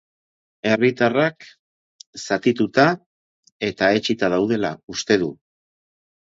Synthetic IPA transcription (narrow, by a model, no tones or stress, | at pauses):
e̞rit̪arak | sat̪it̪ut̪a | e̞t̪ae̞t͡ʃit̪aðawð̞e̞laust̪e̞ðu